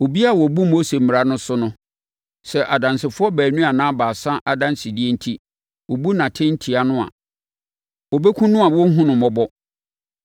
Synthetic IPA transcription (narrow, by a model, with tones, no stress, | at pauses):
o˨bi˦a˦˨wɔ˨bu˦mo˦se˨m̩mɪ˨ɾa˦nʊ̃˦sʊ˦nʊ̃˦ | sɛ˨ʔa˨dã˨nsɪ˨fʊ˦ɔ˦bæː˨nũ˦a˨nã˦baː˨sã˦ʔa˨dã˦nsɪ˨di˦e˦n̩˦tʰi˦ | wo˨bu˦nã˨tʰɪ̃˦n̩˦tʰi˨a˨nʊ̃˦a̰˨ | wɔ˨be˦kʷʰũ˦nʊ̃˦a˨wɔ˦ɦʊ̃˦nʊ̃˨mɔ˨bɔ˦